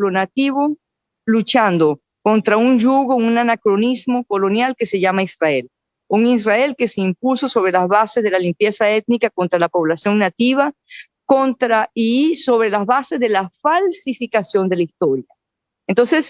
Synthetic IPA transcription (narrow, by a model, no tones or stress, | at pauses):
lonat̪iβo | lut͡ʃand̪o̞ | kont̪ɾaunʝuɣounanakɾo̞nizmo̞ko̞lo̞njalke̞se̞ʝamaisrae̞l | uŋis̬rae̞lke̞seimpuso̞so̞βɾe̞lazβasezðe̞lalimpje̞sae̞t̪̚nikako̞nt̪ɾalapo̞βlasjo̞ŋnat̪iβ̞a | ko̞nt̪ɾaiso̞βɾe̞lazβase̞zðe̞lafalsifikasjo̞nd̪e̞laist̪o̞ɾja | ent̪o̞nse̞s